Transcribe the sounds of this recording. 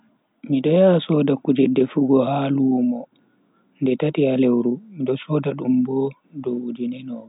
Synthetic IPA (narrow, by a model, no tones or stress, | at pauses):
miɗɔjasɔdakud͡ʒɛdːɛfuɡɔhaːlumɔ | ndɛtatialewɾumiɗɔsɔdaɗumbɔ | dɔud͡ʒinɛnɔ